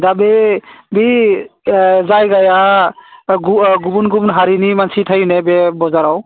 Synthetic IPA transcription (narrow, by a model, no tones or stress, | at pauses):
d̪abebi | zajɡaja | ɡuɡubunɡumnɦaɾinimansit̪ʰəjnebebɔzaɾaw